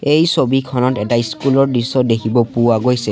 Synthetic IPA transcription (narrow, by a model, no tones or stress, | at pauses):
ejsobikʰɔnɔtɛtaiskulɔɹdisɔdekʰibɔpʊwaɡojsɛ